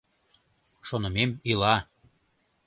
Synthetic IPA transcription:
ʃonə̆memilɑ

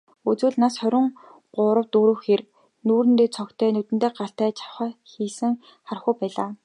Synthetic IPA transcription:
ut͡swɘ̆ːɮnasχœɾʲɪ̆ŋ | ɢʊːɾə̆wt̪uːɾɵ̆xer | nuːɾɘ̆nt̪eːt͡sʰɔkt̪ʰœːnɵt̪ɘ̆nt̪eːɢaɬt̪æːt͡ɕʰḁwχæːxiːsɘ̆ŋ | χarχujpæːɮaː

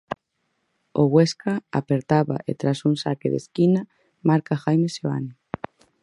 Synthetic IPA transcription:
oɣweskaa̰peɾt̪aβa̰ʔḛt̪ɾasuŋsakeðḛskina | maɾkaxajmeseoa̰ni

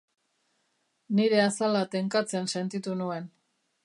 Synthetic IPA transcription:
niɾe̞asalat̪e̞ŋkat͡se̞nse̞nt̪it̪unue̞n

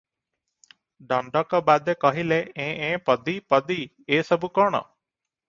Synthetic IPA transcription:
ɖɔɳɖɔkɔbad̪ekɔɦileẽʔẽːpɔd̪ipɔd̪i | esɔbukɔɽ̃ɔ̰

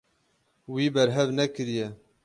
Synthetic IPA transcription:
wiːbɛɾɦɛvnɛkɨɾijɛ

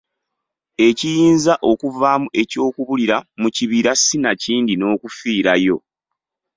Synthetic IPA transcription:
e̞cijiːnzaʔo̞kuvaːmuʔe̞co̞ːkuβuliɾamuciβiɾasːinaciːndino̞ːkufiːɾajo̞

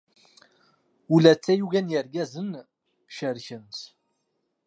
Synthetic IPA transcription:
ulæt͡sːæjuʝænjəɾɡæzən | ʃəɾçənt̪

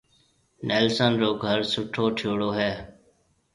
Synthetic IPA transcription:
neːlsənɾoːɡʱəɾsʊʈʰoːʈʰjoːɽoːɦɛː

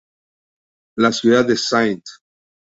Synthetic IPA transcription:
lasjuðad̪esajt̪

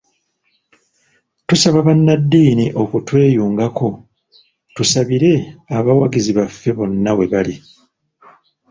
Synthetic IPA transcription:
tusaβaβanːadːiːniʔo̞kutwe̞ːjuːŋɡako̞ | tusaβiɾe̞aβawaɡiziβafːe̞βo̞nːaβwe̞βali

